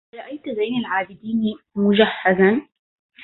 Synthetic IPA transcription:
ɾˤɑʔajt̪zajnɪlʕaːbɪd̪iːn | mʊd͡ʒaħːazan

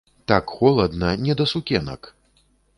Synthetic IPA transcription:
t̪akxɔlˠɐd̪nɐnʲɛd̪ɐsukʲɛnɐ̰k

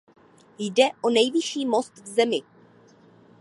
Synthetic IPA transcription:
jdɛʔo̞nɛjvɪʃiːmo̞st̪vzɛmɪ

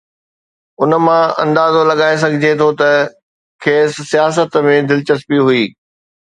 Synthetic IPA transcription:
ʊnə̆mãɐ̃nd̪aːzolɐɠaːes̬ɐɡʱɪd͡ʑʱet̪ʰot̪ɐ | kʰeːsːijaːs̬ət̪mẽd̪ɪlɪt͡ɕəspiɦuiː

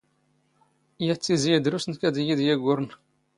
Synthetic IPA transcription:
jæt͡sːizijd̪ɾusənkæd̪ijiðjæɡʷːʊɾn

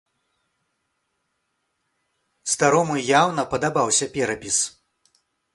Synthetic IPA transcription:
st̪aɾɔmɨjawnɐpɐd̪abawsʲɐpʲɛɾɐpʲis

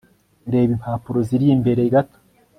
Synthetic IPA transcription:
ɾe̞ːβimpaːpuɾoziɾiːmbe̞ɾeiɡato̥

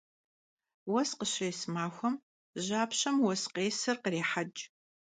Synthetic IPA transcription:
wɐsqəɕreːsmaːxʷɔm | ʑaːpɕɐmwɔsqeːsɨrqəreːħad͡ʒʼ

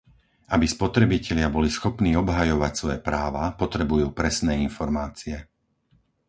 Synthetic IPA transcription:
abispɔt̪ɾɛbicɛʎɪabɔlisxɔpniːɔbɦajɔʋacsʋɔjɛpɾaːʋapɔt̪ɾɛbujuːpɾɛsnɛːinfɔɾmaːt͡siɛ

